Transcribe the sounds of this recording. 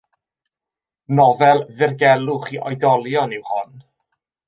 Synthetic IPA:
nɔvɛlˠðɪrɡɛlˠʊχiʔɔjdɔlˠjɔnɪwhʊn

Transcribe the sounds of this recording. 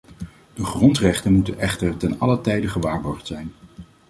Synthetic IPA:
d̥əχrɔntrɛχtənmutənʔɛχtəɹtɛnɑlətɛjdəχəʋaːɹʋɔɹtsɛjn

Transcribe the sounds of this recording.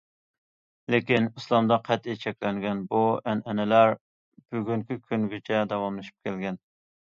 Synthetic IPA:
lekʲinislˠɑmd̪ɑqʰɛt̪it͡ʃʰɛkʲlɛŋɡʲɛnbuɛnɛnɛlæɾ | b̥yɡʲyŋkʲikʲʰyŋɡʲɪt͡ʃʰɛd̪ɑwɑmlɨʃi̥p̚kʲʰɛlɡʲɛn

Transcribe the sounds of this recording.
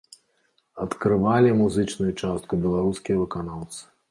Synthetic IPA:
ɐt̪kɾɨvalʲimuzɨt͡ʂnujut͡ʂast̪̚kubʲɛlˠaɾuskʲijɐvɨkanalˠt̪sɨ̥

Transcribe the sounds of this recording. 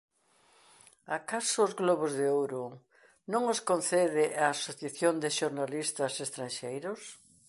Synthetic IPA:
akasʊːzɣloβozðeowɾo | nõŋoskonθeðɪʔaːsoθjaθjond̪ɪʃoɾnalist̪ɐsest̪ɾanʃejɾʊs

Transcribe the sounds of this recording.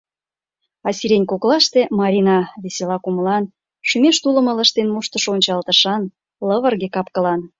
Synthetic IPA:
ɑsʲiɾenʲkoklɑʃt̪emɑɾʲinɑβeselɑkuməlɑn | ʃymeʃt̪ulə̆mə̆lə̆ʃt̪enmuʃt̪ə̆ʃonʲt͡ɕɑlt̪ə̆ʃɑn | ləβə̆rɣekɑpkə̆lɑn

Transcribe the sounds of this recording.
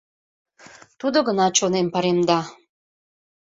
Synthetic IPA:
t̪ud̪ŏɡə̆nɑt͡ɕonempɑɾemd̪ɑ

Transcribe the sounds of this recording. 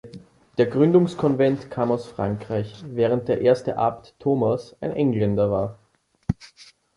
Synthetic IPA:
d̥eːɐɡʁʏndʊŋskʰɔnvɛntkʰaːmaʊsfʁ̥aŋkʁ̥aɪçvɛːʁ̞ənt̚d̥eːɐʔeːɐstəʔa̰mtʰːoːmasaɪnʔɛŋlɛndɐvaːɐ

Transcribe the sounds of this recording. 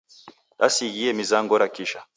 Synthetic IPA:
ɗa̰siɣiɛmizaŋɡɔɾakiʃa

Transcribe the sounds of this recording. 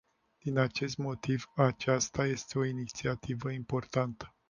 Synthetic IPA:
d̪̥inat͡ʃe̞st̪mo̞t̪ivat͡ʃast̪aje̞st̪e̞o̞init̪siat̪ivəimpo̞rt̪ant̪ə̥

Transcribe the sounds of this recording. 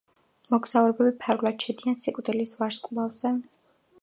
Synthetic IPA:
mɔɡz̥auɾɛbɛbipʰaɾɡlˠad̪̥ʃʰɛd̪iansikʼd̪ɛlisvaɾskʼlavz̥ɛ

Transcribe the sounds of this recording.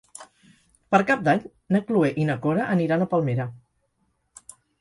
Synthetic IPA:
pəɾkap̚d̪aɲ | nəklueʔinəkoɾəʔəniɾanəpəlˠmeɾə

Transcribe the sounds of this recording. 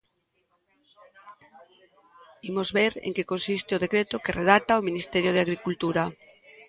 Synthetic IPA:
imozβeɾḛŋkekonsist̪eoðekɾet̪okereðat̪aominist̪eɾjoð̞ɪaɣɾikult̪uɾa

